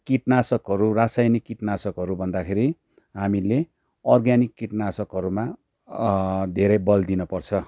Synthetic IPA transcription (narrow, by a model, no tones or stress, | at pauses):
kiʈnasʌkɦʌɾurasajnikːiʈnasʌkɦʌɾubʱʌnd̪akʰeɾi | ɦamile | ʌrɡjanikːiʈnasʌkɦʌɾuma | d̪ʱeɾʌjbʌld̪inʌpʌrt͡sʰʌ